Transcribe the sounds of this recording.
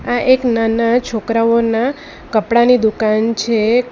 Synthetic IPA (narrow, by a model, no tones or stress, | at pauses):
aʔeknanat͡ʃʰokɾaona | kəpɽanid̪ukant͡ʃʰe